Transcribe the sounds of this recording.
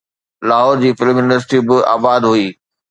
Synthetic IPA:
laːɦɔːɾd͡ʑiːfɪlmɪnlɪs̬ʈibɪa̰ːbaːd̪ɦuiː

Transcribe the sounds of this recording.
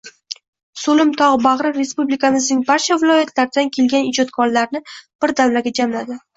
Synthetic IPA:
solɪmt̪ʰɒʁbaʁɾɪɾe̞spublikʰamɪzɪnɪŋbaɾt͡ʃʰavɪlˠɒjat̪ʰlaɾd̪ankʲʰe̞lɡʲanɪd͡ʒɒt̪kʰɒɾlaɾnɪb̥ɪɾd̪avlaɡʲad͡ʒamlad̪ɪ

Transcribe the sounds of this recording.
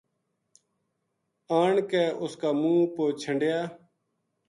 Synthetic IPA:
aːɳkɛːʔʊskaːmũːpoːt͡ʃʰəɳɖjaː

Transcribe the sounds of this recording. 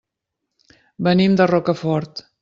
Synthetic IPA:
bənimd̪ərɔkəfɔɾt̪

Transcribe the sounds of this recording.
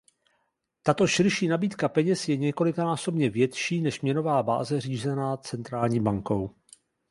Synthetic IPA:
t̪at̪o̞ʃɪɾʃiːnabiːt̪kapɛɲɛsjɛɲɛko̞lɪkanaːso̞bɲɛvjɛt̪ʃiːnɛʃmɲɛno̞vaːba̰ːzɛriːzɛnaːt͡sɛnt̪ɾaːlɲiːbaŋko̞w

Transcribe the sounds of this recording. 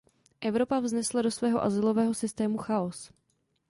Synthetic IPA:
ʔɛvɾo̞pavznɛslado̞svɛːɦoʔazɪlo̞vɛːɦo̞sɪst̪ɛːmuxaos

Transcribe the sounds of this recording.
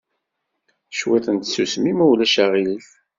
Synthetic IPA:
ʃwiθənt̪susmimuwlæʃæʁiliθ

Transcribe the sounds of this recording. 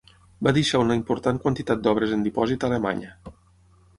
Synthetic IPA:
baðiʃaunəimpuɾt̪aŋkwant̪it̪at̪̚d̪ɔβ̞ɾəzənd̪ipɔzit̪alema̰ɲə

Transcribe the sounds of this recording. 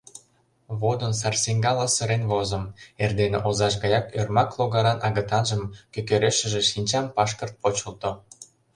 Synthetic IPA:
βod̪ə̆ns̬ɑrseŋɡɑlɑsə̆ɾenβozə̆merd̪enḛʔozɑʃ̬ɣɑjɑkørmɑklˠoɣɑɾɑnʔɑɣə̆t̪ɑnʒəmkøkøɾeʃə̆ʒeʃinʲt͡ɕɑmpɑʃkərt̪̚pot͡ɕəlˠt̪o

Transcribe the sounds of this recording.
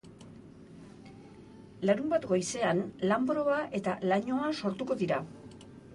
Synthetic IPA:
laɾumbat̪ɡo̞jse̞anlambɾo̞βaʔe̞t̪alaɲo̞aso̞ɾt̪uko̞ðiɾa

